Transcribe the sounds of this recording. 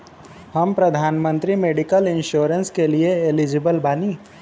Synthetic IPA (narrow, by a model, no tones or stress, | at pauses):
hɐmpɾɐd̪ʱaːnmə̃nt̪ɾimeːɖikəlɪ̃nʃoːɾə̃nskelieelɪd͡ʒɪbəlbaːniː